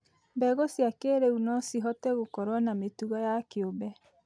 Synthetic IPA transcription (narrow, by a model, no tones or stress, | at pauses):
bɛɣosiakeɾeunɔsiɦɔtɛɣokɔɾwanametuɣajakeobɛ